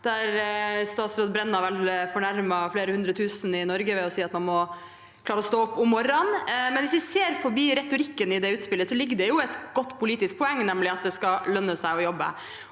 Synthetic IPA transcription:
d̪̥æɾst̪ɑːt̪sɾoːd̪bɾɛnːɑʋɛlfɔɳæɾmɑfleːɾəhʉnd̪ɾət̪ʰʉːsn̩ɪnɔɾɡəʋɛɔsiːɑt̪mɑnmɔ | kʰlɑːɾəɔst̪oːɔpːʊmːɔɾɑnmɛnʋɪsʋɪseːɾfɔɾbiːɾɛt̪ʊɾɪkːənɪd̪ɛʉːt̪spɪlːəsɔlɪɡːəd̪ɛjʊɛt̪ɡ̥ɔt̪ːpʰʊliːt̪ɪsk̚pʰɔɛŋːnɛmlɪɑt̪̚d̪ɛskɑlœnːəsæɪɔjɔbːə̰

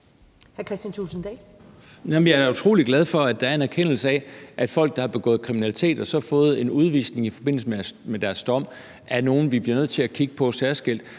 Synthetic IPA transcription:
hæɐkʰʁɛsd̥ænt͡sʰusn̩d̥ɛː | næmnjɑ̈æɐut͡sʰʁo̝ːliɡ̥læð̞ˠfɒ̽æd̥ɑ̈æɐe̝næɐkʰen̰l̩səɛʔæd̥fɒ̽l̰ɡ̥̚d̥ɑ̈hɑ̈b̥e̝ɡ̥ɔ̰ːð̞̩ˠkʰʁiminælit͡sʰe̝̰ːd̥ɒ̽sɒ̽fɔ̽ːð̩ˠe̝nuð̞ˠʋḭːsne̝ŋifɒ̽b̥e̝n̰l̩səmemed̥æɐsd̥ɒ̽m̰ | ʔæɐno̝ːn̩ʋib̥liɐnøð̰ˠt͡sʰe̝lækʰiɡ̥əpʰɒ̽sæɐsɡ̥el̰d̥

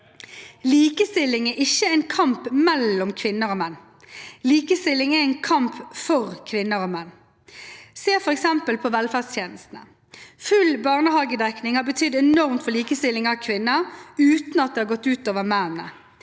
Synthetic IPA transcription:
liːkəst̪ɪlːɪŋɛʔɪçːəɛɪnkʰɑmpmɛlːɔmkʰʋɪnːəɾoːmɛnː | liːkəst̪ɪlɪŋɛɛɪnkʰɑmpfɔʁkʰʋɪnːəɾoːmɛnː | seːfɔɾɛksɛmpəlpʰɔʋɛlfæːst̪ʰjeːnəst̪n̩ə | fʉlbɑːʁnəhɑːɡəd̪ɛknɪŋhɑːbət̪ʰʏd̪ɛnɔʁmt̪fɔɭiːkəst̪ɪlɪŋɑʋkʰʋɪnːəʉːt̪nɑt̪̚d̪ɛːhɑːɡɔt̪ːʉːt̪oːʋəmɛnənə̰

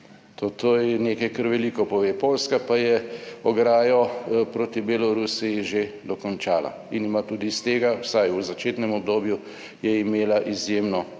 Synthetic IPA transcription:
t̪ot̪oːjɛneːkajkəɾʋɛlikɔpɔʋepolskapajɛɔɡɾaːjɔpɾoːt̪ibelɔɾusijiʒed̪ɔkɔnt͡ʃaːla̰ | inimat̪uːd̪ist̪eːɡawsajuzat͡ʃeːt̪nɛmɔb̚d̪oːbju | jɛimeːlaʔizjemnɔ

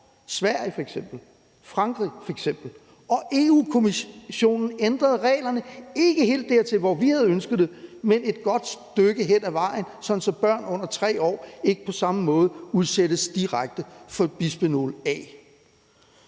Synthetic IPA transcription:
sʋæɐ̰jəfɒ̽eɡ̥sem̰b̥l̩ | fʁɑ̈ŋɡ̥ʁḭfɒ̽eɡ̥sem̰b̥l̩ | ɒ̽ʔe̝ːuːkʰo̝miɕo̝̰ːnn̩end̥ʁɐð̞ˠʁɛ̰ːlɐnəe̝ɡ̥əɦe̝̰ːld̥ːæɐt͡sʰe̝lʋɒʋihæð̞ˠønsɡ̥ð̩ˠd̥emene̝d̥̚ɡ̥ɒ̽d̥sd̥øɡ̥əɦen̰æʋɑ̈ɪnsɒ̽n̩sɒ̽b̥ɶɐ̰nɔ̽n̰ɐt͡sʰʁɛ̰ːɒ̰ːe̝ɡ̥əpʰɒ̽sɑ̈məmɔ̽ːð̞̩ˠəuðˠseɾ̥əsd̥iʁaɡ̥̚d̥əfɒ̽b̥isb̥eno̝̰lɛ̰ː

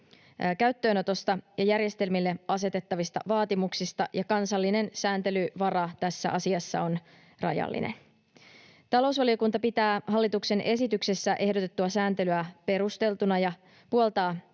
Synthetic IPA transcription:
kæɥt̪ːøːno̞t̪o̞st̪ɑjɑjærje̞st̪e̞lmilːe̞ɑse̞t̪e̞t̪ːɑʋist̪ɑ̰ʋɑːt̪imuksist̪ɑ̰jɑkɑnsɑlːine̞nsæːnt̪e̞lyʋɑrɑt̪æsːæ̰ʔɑsiɑsːɑ̰o̞n | rɑ̰jɑ̰lːḭnḛn | t̪ɑlo̞usʋɑlio̞kunt̪ɑpit̪æːɦɑlːit̪ukse̞nʔe̞sit̪ykse̞sːæʔe̞hdo̞t̪e̞t̪ːuɑsæːnt̪e̞lyæpe̞ɾust̪e̞lt̪unɑjɑ | puolt̪ɑː

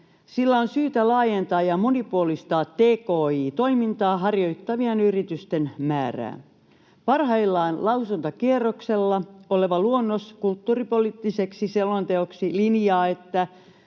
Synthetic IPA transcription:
silːæonsyːt̪ælɑːjent̪ɑːjɑmonipuolist̪ɑːt̪ːeːkoːiːt̪o̞imint̪ɑːɦɑrjo̞it̪ːɑʋienyrit̪yst̪enmæːræ̰ː | pɑrhɑilːɑːnlɑusunt̪ɑkierːokselːɑoleʋɑluonːoskult̪ːuːripoliːt̪ːiseksiselmɑnt̪eoksilinjɑːe̞t̪ːæ

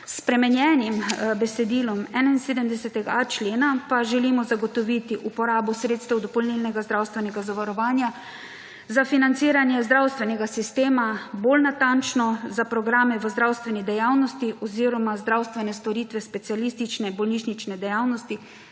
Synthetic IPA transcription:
spɾɛmɛnjɛːnimbɛsɛd̪iːlɔmɛːnainseːd̪əmd̪ɛsɛt̪ɛɡaat͡ʃleːnapaʒɛlimɔzaɡɔt̪ɔʋit̪iʔupɔɾaːbɔsɾeːt̪st̪ɛwd̪ɔpɔlnilnɛɡazd̪ɾawst̪ʋɛnɛɡazaʋaɾɔʋaːnja | zafinant̪siːɾanjɛzd̪ɾawst̪ʋɛnɛɡasist̪eːmabolnat̪ant͡ʃnɔzapɾɔɡɾaːmɛʋəzd̪ɾawst̪ʋɛnid̪ɛjawnɔst̪iʔɔziːɾɔmazd̪ɾawst̪ʋɛnɛst̪ɔɾiːt̪ʋɛspɛt̪sialist̪it͡ʃnɛbɔlniʃnit͡ʃnɛd̪ɛjawnɔst̪i

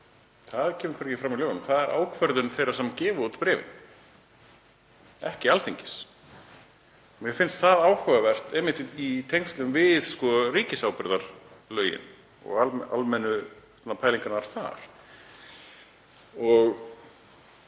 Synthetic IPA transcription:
θaðcʰɛːmʏ̥kʰvɛɾcɪfɾamilœːɣanʏmθaðɛɾʔa̰ːwkʰvɛɾðʏnθejrasɛmcɛːvʏut̪pɾɛːvɪ̰n | ɛhcɪalt̪ʰeɲcɪ̥s | mjɛfɪnst̪θaðaːwhœvavɛr̥t̪ɛmɪnt̪ɪit̪ʰejŋkst̪lʏʏmvɪðskɔriːcɪsawpɪɾðaɾ̥lœːɥjɪ̰n | ɔ̰ɣaa̰lmɛnːʏ | t̪napʰaːjliŋkanaɾ̥θa̰ɾ̥ | ɔɣ

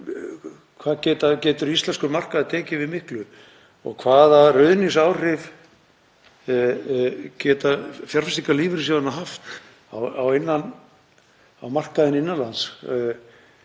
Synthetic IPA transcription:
kʰvaːðcɛːt̪acɛːt̪ʏɾist̪lɛnskʏɾmar̥kaðaðt̪ʰɛːcɪvɪðmɪhklʏ | ɔ̰ɣkʰvaːðarœɥðnɪsaːwrɪv | cɛːt̪afjaɾ̥fast̪ikaliːvɪɾɪs̬ownaɦaft̪ | awawejnːan | awmar̥kaðɪnɪnːanlans

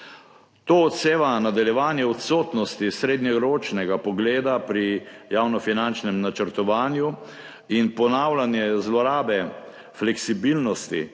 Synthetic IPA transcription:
t̪oːt̪seːʋanad̪aljɛʋaːnjɛɔt̪soːt̪nɔst̪isɾeːd̪nɲɛɾoːt͡ʃnɛɡapɔɡleːd̪apɾijaːwnɔfinant͡ʃnɛmnat͡ʃəɾt̪ɔʋaːnju | inpɔnaːwlanjɛzlɔɾaːbɛ | flɛksibilnɔst̪ḭ

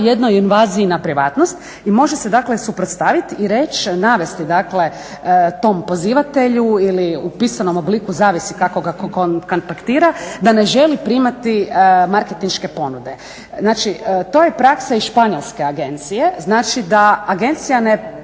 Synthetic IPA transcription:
jed̪no̞jinʋaːziːnapɾiʋaːt̪nost̪ | imo̞ʒese̞d̪akle̞supɾot̪st̪aʋit̪iɾe̞t͡ʃnaʋe̞st̪id̪akle̞ | t̪o̞mpo̞ziːʋat̪e̞ʎuiliupisano̞moblikuzaːʋisikako̞ɡakkokont̪akt̪iːɾad̪ane̞ʒe̞lipɾimat̪imaɾke̞t̪inʃke̞po̞nud̪e̞ | znaːt͡ʃit̪o̞ːjepɾaksaiʃpaɲo̞lˠske̞aɡe̞nt̪sije̞znaːt͡ʃid̪aːɡe̞nt̪sijane

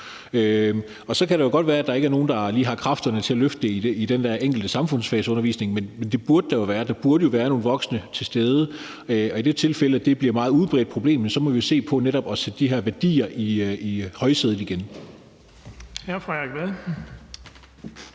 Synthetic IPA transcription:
ø | ɒ̽sɒ̽kʰæɾ̥ɑ̈jo̝ɡ̥ɒ̽d̥ʋæːɐæd̥ɑ̈e̝ɡ̥æɐno̝ːn̩d̥ɑ̈liːɦɑ̈kʰʁɑ̈fd̥ɐnət͡sʰe̝æløfd̥əid̥eid̥end̥æɐ̰ʔeŋ̰ɡ̥l̩d̥əsɑ̈mfɔ̽n̰sfɛːsəɔ̽nɐʋḭːsne̝ŋmenmend̥e̝b̥uɐd̥əd̥ɑjoʋæːɐd̥ɑ̈b̥uɐɾəjo̝ʋæːɐno̝ːnʋɒ̽ɡ̥snət͡sʰe̝sd̥eːð̞ˠə | ɒ̽id̥e̝t͡sʰe̝lfeləæd̥e̝b̥liɐmɑ̈ːð̞̩ˠuð̞̩ˠb̥ʁɛ̰ːd̥̚pʰʁoble̝̰ːmensɒ̽mɒ̽ʋijo̝se̝̰ːpʰɒ̽neɾɒ̽b̥ɒ̽sed̥əd̥iɦæɐʋæɐd̥ḭːɐʔiihɒ̽ɪseð̞ˠn̩ˠiɡ̥en | hæɐfʁaʁɛɡ̥ʋæðˠ

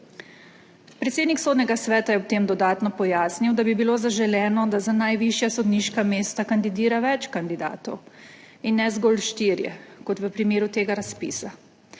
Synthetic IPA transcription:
pɾɛt̪seːd̪niksoːd̪nʲɛɡasʋɛːt̪ajɛwt̪eːmd̪ɔd̪aːt̪nɔpɔjaːsniwd̪abibiloːzaʒɛlɛːnɔd̪azanajʋiʃjasɔd̪niʃkameːst̪akand̪id̪iːɾaʋɛt͡ʃkand̪id̪a̰ːt̪ɔw | inːɛzɡolʃt̪iːɾjɛ̰kɔt̪ʋəpɾimeːɾut̪eːɡaɾaspḭːsa

